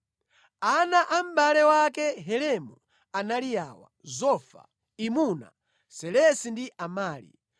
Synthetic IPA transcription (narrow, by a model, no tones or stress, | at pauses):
anaʔam̩balɛwakɛɦɛlɛmɔ | analijaːwa̰zɔfa̰ | imuna̰ | sɛlɛsindiʔamaːlḭ